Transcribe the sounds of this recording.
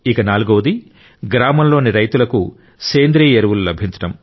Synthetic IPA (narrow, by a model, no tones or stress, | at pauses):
ikɐnaːluɡoːɐd̪i | ɡɾaːmɐmlo̞ːniɾɐjt̪ulɐku | seːnd̪ɾiːeɾuʋululɐbʱiɲt͡ʃɐ̥ʈɐm